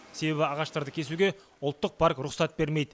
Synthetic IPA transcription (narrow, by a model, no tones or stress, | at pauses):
se̞be̞bɪɑʁɑʃt̪ɑɾd̪əkʲʰe̞suɡʲe̞ | ʊlˠt̪ːəq̚pʰaɾkɾʊχsɑt̪̚be̞ɾme̞jd̪ɪ